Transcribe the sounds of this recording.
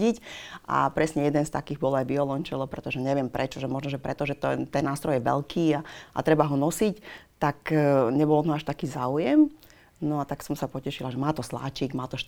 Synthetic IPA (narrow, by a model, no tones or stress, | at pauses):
ɟicʔa̰pɾɛsɲɛjɛd̪ɛnst̪a̰kiːɣbɔlajbiɔlɔnt͡ʃɛlɔpɾɛt̪ɔʒɛɲɛʋɪɛmpɾʔɛt͡ʃɔʒɛmɔʒnɔʒɛpɾɛt̪ɔʒɛt̪ɔt̪ɛnːaːst̪ɾɔjɛʋɛ̰lkʰiːaʔa̰t̪ɾɛbaɦɔnɔsict̪akɲɛbɔlt̪ɔaʃt̪akiːzaːujɛm | nɔat̪aksɔmsapɔcɛʃilaʒɛmaːt̪ɔsla̰ːt͡ʃiɡmaːt̪ɔʃ